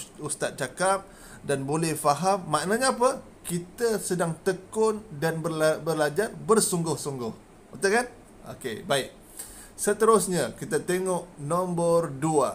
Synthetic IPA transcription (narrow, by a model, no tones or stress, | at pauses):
ust̪at̪̚t͡ʃakap̚ | danbolɛhfaɦamːaʔnaɲaːpə | kit̪əsədaŋt̪əkʊndanbəbərlad͡ʒarbərsuŋɡʊhsuŋɡʊh | ot̪əkan | o̰kebaɪk̚ | sət̪əɾʊsɲakit̪at̪eŋɔʔnɔmbərdua